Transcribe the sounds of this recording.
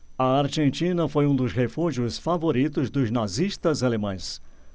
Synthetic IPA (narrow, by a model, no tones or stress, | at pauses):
ɐaɾʒẽnt͡ʃĩnɐfojũd̪ʊshefuʒiʊsfavoɾit̪ʊzd̪ʊznaziʃt̪ɐzalemɐ̃j̃s